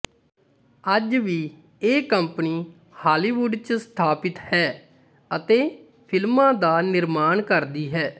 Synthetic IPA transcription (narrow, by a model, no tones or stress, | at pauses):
əd͡ʒʋiː | eːkəmpniː | haːliːʋuɖt͡ʃst̪ʰaːpɪt̪hɛː | ət̪eː | pʰɪlmãːd̪aːnɪɾmaːɳkəɾd̪iːɦɛː